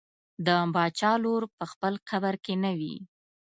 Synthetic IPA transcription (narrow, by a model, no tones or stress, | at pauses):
d̪əmbɑt͡ʃɑloɾpəxpəlqabaɾkenəwḭ